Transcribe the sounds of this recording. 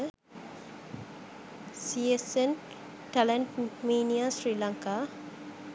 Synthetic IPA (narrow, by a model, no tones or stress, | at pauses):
siesen | ʈɐlɐɳʈmiːnijasɾiːlaŋka